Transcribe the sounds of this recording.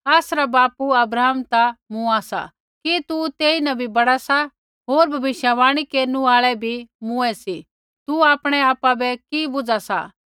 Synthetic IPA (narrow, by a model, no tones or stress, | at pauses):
aːsɾabaːpuɐbɾaːɦəmt̪amũaːsa̰ | kit̪ut̪eːinɐbʱibɐɽasa | ɦoːɾbʱɐʋɪʃjaʋaːɽ̃ikeːɾnũaːɭɛbʱimʊ̃ɛsi | t̪uaːpɽ̃ɛaːpabɛkibʊd͡zasa̰